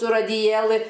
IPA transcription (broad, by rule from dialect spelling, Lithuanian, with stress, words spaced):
sʊ rɐdʲɪˈjeːlˠɨ